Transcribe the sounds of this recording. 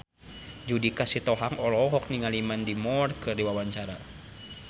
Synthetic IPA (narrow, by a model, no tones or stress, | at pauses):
d͡ʒudikasit̪ɔɦaŋɔlɔɦɔk̚niŋalimandimɔrkɨrdiwawaɲt͡ʃaɾa̰